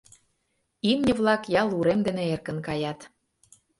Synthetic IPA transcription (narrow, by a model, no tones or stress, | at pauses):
imnʲə̆βlɑkjɑlˠuɾemd̪ĕnĕerkə̆nkɑjɑt̪